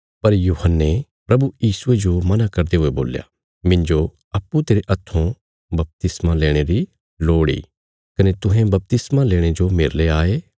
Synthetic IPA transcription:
pɐɾjuːɦənːe | pɾɐbujiːsued͡ʒomɐnakɐɾd̪eɦʊebo̰ːlja̰ | mɪ̃nd͡ʒo | ɐpːut̪eːɾeʔɐt̪ʰːõ | bɐp̚t̪ɪsmãleːɽ̃eɾi | loːɽḭ | kɐnet̪ʊɦẽbɐp̚t̪ɪsmaleːɽ̃ed͡ʒomeːɾleaːeː

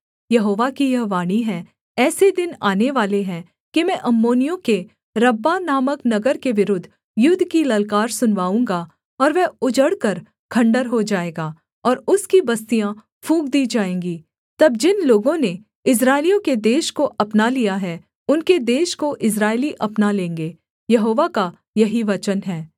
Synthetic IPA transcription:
jɐɦoːʋakijɐɦʋaːɽ̃iɦɛ̃ | ɛːsed̪ɪnaːneʋaːleɦɛ̃ | kimɛ̃ʔɐmːoːnijõke | ɾɐbːanaːməknɐɡəɾkeʋɪɾʊd̪ʱ | jʊd̪ʱkilɐlkaːɾsʊnʋaːũːŋɡaː | ɔːɾʋɛʊd͡ʒəɽkɐɾ | kʰɐ̃ɳɖəɾɦod͡ʒaːeːɡaː | ɔːɾʊskibɐst̪ijã | fʰũːkd̪iːd͡ʒaːẽːŋɡiː | t̪ɐb̚d͡ʒɪnloːɡõne | ɪs̬ɾaːɪlijõked̪eːʃkoʔɐpnalijaɦɛ | ʊnked̪eːʃkoʔɪs̬ɾaːɪliʔɐpnalẽːŋɡeː | jɐɦoːʋaka | jɐɦiʋɐt͡ʃənɦɛː

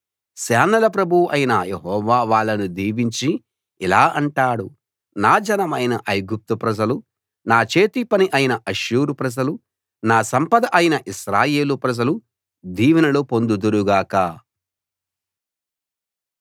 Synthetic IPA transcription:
sɛːnɐlɐpɾɐbʱuʔɐjinɐjeɦɔːʋaːʋaːɭːɐnud̪iːʋiɲt͡ʃi | ilaːʔɐɳʈaːɽu | naːd͡ʒɐnɐmɐjnɐʔɐjɡup̚t̪upɾɐd͡ʒɐlu | naːt͡ʃe̞ːt̪ipɐniʔɐjinɐʔɐʃuːɾupɾɐd͡ʒɐlu | naːsɐmpɐd̪ɐʔɐjinɐʔiʃɾaːje̞ːlupɾɐd͡ʒɐlu | d̪iːʋɐnɐlopo̞nd̪ud̪uɾuɡaːkɐ

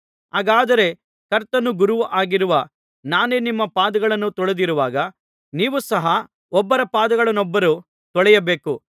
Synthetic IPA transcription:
aːɡaːd̪ɐɾe̞ | kɐɾt̪ɐnːuɡuɾuʋuʔaːɡiɾuʋɐ | naːne̞ːnimːɐpaːd̪ɐɡɐɭɐnːut̪ɔɭed̪iɾuʋaːɡɐ | niːʋusɐɦɐ | ɔbːɐɾɐpaːd̪ɐɡɐɭɐnɔbːɐɾu | t̪ɔɭɛjɐbe̞ːku

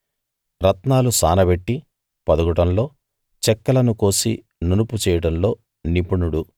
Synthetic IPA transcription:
ɾɐt̪naːlusa̰ːnɐbeʈːi | pɐd̪uɡuʈɐmlo̞ː | t͡ʃɛkːɐlɐnuko̞ːsḭ | nunuput͡ʃɛːjɐɽɐmlo̞ː | nipuɳuɽu

